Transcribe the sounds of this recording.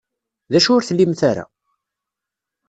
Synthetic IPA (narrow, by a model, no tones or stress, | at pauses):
ðæʃʊɾθlːimθaɾa̰